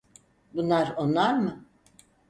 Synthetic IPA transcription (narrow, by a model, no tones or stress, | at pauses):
bunlˠaɾonlˠaɾmɯ